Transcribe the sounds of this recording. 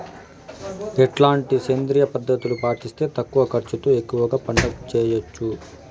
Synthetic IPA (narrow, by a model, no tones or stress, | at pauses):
ɛʈlaːɳʈiseːnd̪ɾijɐpɐd̪ʱːɐt̪ulupaːʈist̪e̞ːt̪ɐkːuʋɐkɐɾt͡ʃut̪uekːuʋɐɡaːpɐɳɖɐkt͡ʃɛːjot͡ʃːu